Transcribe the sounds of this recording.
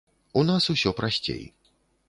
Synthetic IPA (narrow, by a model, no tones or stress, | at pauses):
unasusʲɔpɾasʲt͡sʲḛj